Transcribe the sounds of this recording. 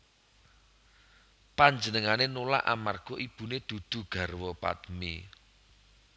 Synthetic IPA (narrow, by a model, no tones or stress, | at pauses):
paɲd͡ʒənəŋanenola̰ʔa̰marɡ̥ɔʔib̥ṳned̪̥ṳd̪̥ṳɡ̥a̤rwɔpa̰t̪mi